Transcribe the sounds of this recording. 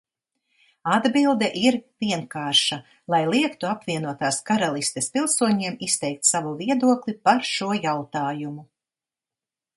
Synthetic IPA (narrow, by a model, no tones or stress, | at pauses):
ad̪bilˠd̪ɛʔiɾviɛŋkaːɾʃa | lˠajlˠiɛkt̪uapviɛnuɔt̪aːskaɾalˠist̪espilˠsuɔɲiɛmist̪ɛjk̚t̪savuviɛd̪uɔklˠipaɾʃuɔjawt̪aːjumu